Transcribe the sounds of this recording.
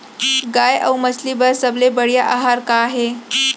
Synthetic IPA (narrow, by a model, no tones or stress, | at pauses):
ɡaja̰wməsliːbəɾsəblebəɭjaʔaɦaɾkaːɦe